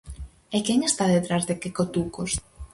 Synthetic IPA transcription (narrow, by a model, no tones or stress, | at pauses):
ekeŋest̪aðet̪ɾazðekekot̪ukos